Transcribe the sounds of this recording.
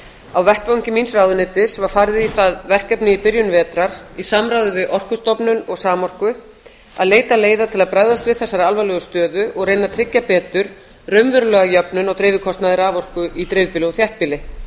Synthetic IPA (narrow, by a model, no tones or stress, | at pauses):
awvɛhpvawŋcɪminsraːwðʏnɪːt̪ɪsvaɾ̥faɾðɪiθaðvɛr̥kɛpnɪipɪɾjʏnvɛːt̪ɾaɾ̥isamɾaːwðʏvɪʔɔr̥kʏst̪ɔpnʏnɔɣsaːmɔr̥kʏ | a̰ðleːjt̪aleːjðat̪ʰɪlaðpɾajðast̪vɪðθɛsːaɾalvajlœːɣʏst̪œːðʏʔɔɣrejnat̪ʰɾɪcːapɛːt̪ʏɾ̥ | rœɥmvʏɾʏlœːɣajœpnʏnɔɣt̪ɾɪːvɪkʰɔst̪naðɪɾavɔr̥kʏʔit̪ɾeːvɪpilɔθjaht̪̚piːlɪ